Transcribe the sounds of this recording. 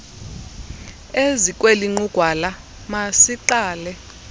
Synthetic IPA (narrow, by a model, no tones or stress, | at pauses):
ezikʼweliŋ͡ǃuɡ̥ʱwala | masiǃaːlɛ